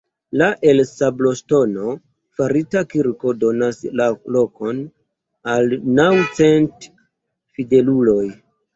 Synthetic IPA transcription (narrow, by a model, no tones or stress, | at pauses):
laʔe̞lsablo̞sto̞no̞ | faɾitakiɾko̞do̞naslalo̞ko̞n | alnawt͡se̞nt | fide̞lulo̞j